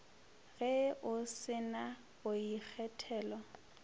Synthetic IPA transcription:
ɣɛʔʊsɪna | bʊik͡xʰɛtʰɛːlɔ

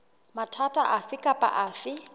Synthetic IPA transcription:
matʰatʼaʔafɪkʼapʼa̰ʔaːfɪ

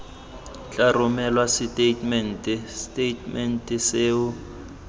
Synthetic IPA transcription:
t͡ɬʼarʊmɛlwasitʼetʼmɛntʼstʼetmɛntʼɛseːʊ

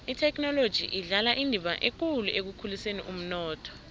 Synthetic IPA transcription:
itʰɛk̬ʼnɔlod̥ʒ̥ʱḭʔiɮalaʔindʱiɓaʔek̬uluʔek̬ukʰulisenḭʔum̩nɔːtʰɔ̥

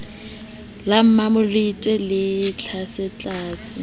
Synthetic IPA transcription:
lam̩mamʊlitʼɛlɪt͡ɬʰasɛt͡ɬʼaːsɪ

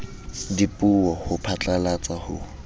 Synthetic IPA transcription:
dipʼuwɔhʊpʰat͡ɬʼalat͡sahʊ

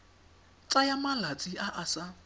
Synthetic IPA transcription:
t͡sʼajamalat͡sʼiʔaʔasa

